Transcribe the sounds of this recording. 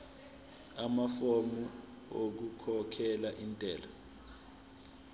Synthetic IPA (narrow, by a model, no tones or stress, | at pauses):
amafomu | ok̬ukʰɔkʰɛlaʔintʼɛːla